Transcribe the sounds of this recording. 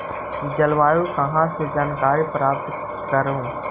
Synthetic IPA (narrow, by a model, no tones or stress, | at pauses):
d͡ʒəlʋaːɾũkɐɦãːsed͡ʒaːnkaːɾipɾaːpt̪ | kəɾõː